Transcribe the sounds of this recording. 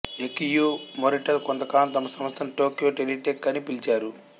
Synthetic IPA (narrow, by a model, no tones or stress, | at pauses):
ekijumoɾiʈɐlkont̪ɐkaːlɐmt̪ɐmːɐsɐmɐst̪ɐnʈoːkijoːʈeliʈekːɐnipilt͡ʃaːɾu